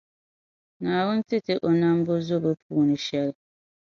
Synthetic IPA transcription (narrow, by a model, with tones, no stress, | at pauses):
naː˨wʊ˦n˦tɪ˦tɪ˦ʔo˨na˦m˦bo˦zo˦bɨ˦pʰuː˦nɨ˨ʃɛ˦lɪ˦